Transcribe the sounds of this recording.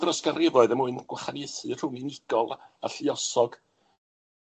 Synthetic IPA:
drɔskarɪvɔɨðəmʊɨnɡ̥waχanɛθɨr̥ʊŋɨnɪɡ̥ɔlˠa̰ɬɪɔsɔɡ̥

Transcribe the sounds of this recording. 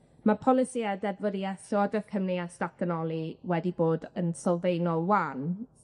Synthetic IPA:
mapʰɔlˠɪsiɛdɛdvɔdiɛsɔɔdɛθkʰəmnɪasdtak̚d̥ənɔlˠiwɛdiboːdənsɔlˠvejnɔlˠwan

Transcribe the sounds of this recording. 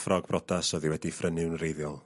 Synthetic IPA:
frɔɡ̚brɔdasɔðiwɛdifrənɨwnrejðjɔlˠ

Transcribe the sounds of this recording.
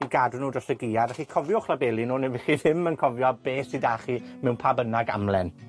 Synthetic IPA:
iɡadnuːdrɔsəɡiadaχiːkʰɔvjɔχlˠabɛlˠinuːnɛvɪχiðɪmənkʰɔvjɔbeːsidaːχimɛwnpʰabənaɡa̰mlˠɛ̰n

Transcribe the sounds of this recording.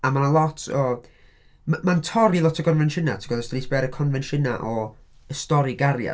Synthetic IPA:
amanəlˠɔtʰɔ | mmantʰɔɾilˠɔtʰəɡɔnvɛnʃɪna̰tʰiɡɔðastənisbɛɾəkʰɔnvɛnʃɪnaʔɔ | əstɔɾiɡaɾja̰

